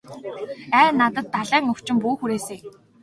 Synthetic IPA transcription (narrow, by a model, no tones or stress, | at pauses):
æːnat̪ə̆t̪ːaɮæːŋɵw̥t͡ɕɪ̆mpuːxuɾeːseː